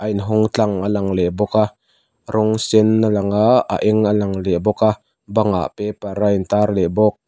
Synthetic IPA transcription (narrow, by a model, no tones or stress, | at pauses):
ʔɐjnɦɔŋt͡ɬaŋalaŋlɛʔbɔka | ɾʔɔŋsɛnːalaŋaa̰ʔɛŋalaŋlɛʔbɔka | baŋa̰ʔpɛpaɾajnt̪aːrlɛbɔk̚